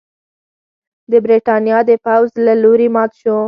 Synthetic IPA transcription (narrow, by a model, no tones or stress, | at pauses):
d̪əbɾeʈɑnjɑd̪əpawzlaloɾimɑt̪ʃo